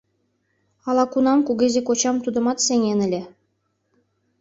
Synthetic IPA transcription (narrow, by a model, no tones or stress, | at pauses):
ɑlˠɑkunɑmkuɡʲĕzʲekot͡ɕɑmt̪ud̪ɤ̆mɑt̪sʲeŋʲenɘ̆lʲĕ